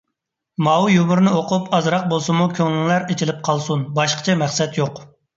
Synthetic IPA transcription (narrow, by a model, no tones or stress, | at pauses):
mɑwujumuɾnɪoqʰupʰɑzɾɑq̚bolˠsɨmukʲʰøŋlɪŋlæɾet͡ʃʰilɪp̚qʰɑlˠsunbɑʃqə̥t͡ʃʰɛmæχsɛt̪joq